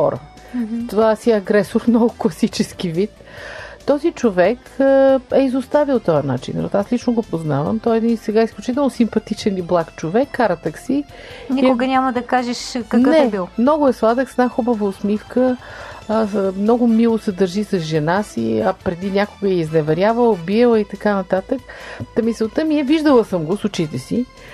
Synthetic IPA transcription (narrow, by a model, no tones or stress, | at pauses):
xɔ̰ɾə̰ | t̪ovasiɐɡɾɛsoɾmnɔɡʊklˠɐsit͡ʃɛsk̟ivit̪ | t̪ːɔzit͡ʃovɛk | əɛizost̪avilˠt̪ɔjəna̰t͡ʃḭn̰ɾɔ̰t̪aslit͡ʃnoɡopoznavə̰mt̪ɔjɛd̪insɛɡaisklʲut͡ʃit̪̬ɛlˠnosimpɐt̪it͡ʃɛniblˠakt͡ʃovɛkːaɾət̪əksi | nʲikʊɡənʲaməd̪ɐkaʒɛʃkɐnəɛɛbilˠmnɔɡʊɛslˠad̪əksɛnaxubəvəʊsmifkə | mnɔɡʊmilˠosɛd̪əɾʒisəzʒɛnasḭɐpɾɛd̪inʲakoɡəɛiznɛvɛɾʲjavəlˠbiɛlˠit̪ɐkanɐt̪at̪əkt̪ɐmisɛlˠt̪əmiɛviʒd̪əlˠəsəmɡosʊt͡ʃit̪ɛsi